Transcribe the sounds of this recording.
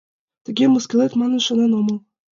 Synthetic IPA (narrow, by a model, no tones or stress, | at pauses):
t̪ɘ̆ɡʲemɤ̆skʲĕlet̪mɑnɤ̆nʃɤ̆nenomɤ̆lˠ